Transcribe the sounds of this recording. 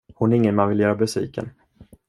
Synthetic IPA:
hʊnæɾɪŋːənmanvɪljœːɾabɛsḭːkʰə̰n

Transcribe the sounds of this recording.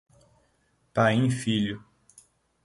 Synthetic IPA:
pajĩfiʎʊ

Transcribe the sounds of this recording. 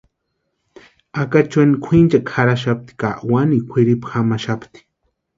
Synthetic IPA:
akat͡ʃanikʷʰint͡ʃakʰaɾaʃ̬ap̚t̪i̥kaʔwanikʷʰɪɾipḁxamaʃapt̪i̥

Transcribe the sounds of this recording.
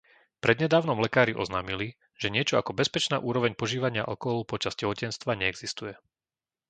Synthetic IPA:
pɾɛd̪ɲɛd̪aːʊnɔmlɛkaːɾiʔɔ̰znaːmili | ʒ̥ɛɲɪɛt͡ʃɔakɔbɛspɛt͡ʃnaːʔuːɾɔʋɛɲpɔʒiːʋaɲɪa̰ʔɔkɔɦlpɔt͡ʃaz̥cɛɦɔcɛnst̪ʋaɲɛɛɡz̥ist̪ujɛ

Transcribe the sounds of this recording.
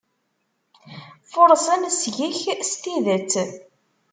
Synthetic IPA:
foɾˤsænsʝiçst̪iðət͡sː

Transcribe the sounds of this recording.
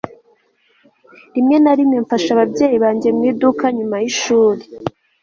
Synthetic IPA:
ɾimŋe̞naɾimɲeɱfaʃaβabɟe̞ːjiβaːɲɟe̞mŋiːdukaɲumajiʃuːɾe

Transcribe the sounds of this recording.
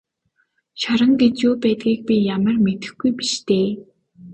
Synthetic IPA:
ʃaɾə̆ŋɡet͡ɕjoːpæːt̪̚ɡʲiːk̚pijamə̆rmet̪ɘ̥̆xɡujpiʃt̪eː

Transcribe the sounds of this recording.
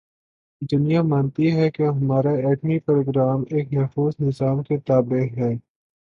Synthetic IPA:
d̪ʊnijamaːnt̪iɦɛkeɦɐmaːɾaɛːʈmipɾoːɡɾaːmeːkmɛɦfuːznɪzaːmket̪aːbeɦɛː

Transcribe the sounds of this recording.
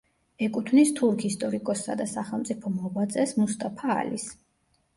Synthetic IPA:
ɛkʼut̪ʰvnist̪ʰuɾkʰist̪ʼɔɾikʼɔsːa̰d̪asaχɛlˠmt̪sʼipʰɔmɔbat̪sʼɛsmust̪ʼapʰa̰ːlḭs

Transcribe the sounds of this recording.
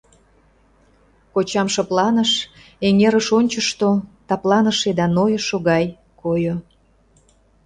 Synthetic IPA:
kot͡ɕɑmʃɑplɑnəʃ | eŋeɾəʃonʲt͡ɕəʃt̪ot̪ɑplˠɑnəʃed̪ɑnojəʃoɣɑj | kojo

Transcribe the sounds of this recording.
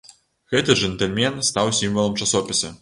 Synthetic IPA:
ɣɛt̪ɨʐɛnt̪ɛlʲmʲɛnst̪awsʲimvɐlˠɐmt͡ʂasɔpʲisɐ

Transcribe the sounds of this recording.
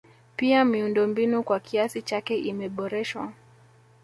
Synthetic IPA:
piamiundɔmbinukwakʰiasit͡ʃakɛʔimɛɓɔɾɛʃwa̰

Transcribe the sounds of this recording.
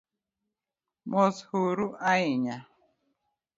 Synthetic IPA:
mɔshoɾuʔaɪɲa

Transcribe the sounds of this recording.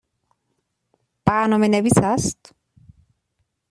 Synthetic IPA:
paːnɔmɛnɛbisast̪

